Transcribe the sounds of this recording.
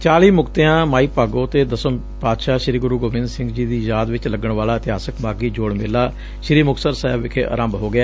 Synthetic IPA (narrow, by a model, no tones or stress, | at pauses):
t͡ʃaːliːmʊkt̪eãːmaːiːpaːɡõːt̪eːd̪əsə | paːd̪ʃaːʃɪɾiːɡʊɾuːɡoːmɪ̃nd̪sɪ̃ŋɡd͡ʒiːd̪iːjaːd̪ʋɪt͡ʃləɡəɳʋaːlaːɪt̪ɪɦaːsəkmaːɡiːd͡ʒoːɽmɪlːaː | ʃɪɾiːmʊksəɾsɛːbʋɪkʰḛːʔa̰ːɾə̃ːmbɦoːɡɪaː